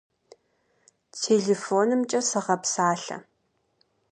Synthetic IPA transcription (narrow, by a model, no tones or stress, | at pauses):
tʰeːɮeːfoːnɨmt͡ʃʼɐsɐʁɐpsaːɬɐ̰